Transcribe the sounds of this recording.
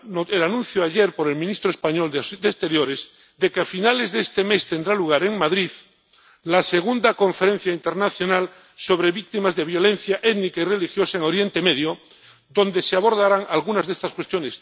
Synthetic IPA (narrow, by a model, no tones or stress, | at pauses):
elanũn̟θjoaʎe̞ɾpo̞ɾe̞lmĩnist̪ɾoespaɲo̞ld̪est̪e̞ɾjo̞ɾez | d̪e̞keafinale̞zðest̪eme̞st̪e̞nd̪ɾaluɣ̞aɾe̞ŋmaðɾið | lase̞ɣund̪ako̞ɱfe̞ɾe̞n̟θjaint̪e̞ɾnaθjo̞nal | so̞βɾe̞βik̚t̪imazðe̞βjo̞le̞n̟θjaʔet̪nikaire̞lixjo̞saeŋo̞ɾje̞nt̪eme̞ðjo | d̪õ̞nd̪e̞seaβo̞ɾðaɾaŋalɣunazðe̞st̪askwest̪jo̞nes